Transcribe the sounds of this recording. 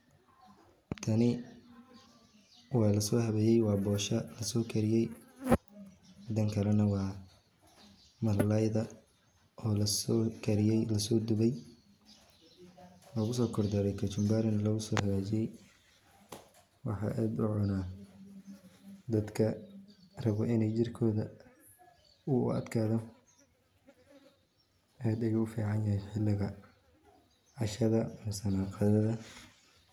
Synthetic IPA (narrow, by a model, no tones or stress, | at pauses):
t̪ʰɐnɪ | wɑːlɐsɔːhɐβɛjɛjwɑːbɔːʃɐlɐsɔːkʰɐɾɪjɛj | ɐd̪ɐŋkʰɐlɐnɐwɑː | mɐllɐjðɐ | ɔːlɐskʰɐɾlɐsɔːd̪ʊβɛj | lɔːɣʊsɔːkʰɔrd̪ɐɾɛjkʰɐt͡ʃʊmbaɾɪnlɔɣʊsɔːhɐlat͡ʃɪjɛj | wɑ̰ħɑ̰ːʔaːd̪ʊʕɔnaː | d̪ɐd̪kʰɐ | rɐβɔɪnɛjt͡ʃɪrkʰɔːðɐ | ʊʊ̰ɐ̰d̪kʰaːðɔ | ʔaːd̪ɛjʊfiːʕɑnjɐɦɛjħɪlːɪɣɐ | ʕɑʃɐðɐmsɐnaːqɑðɐðɐ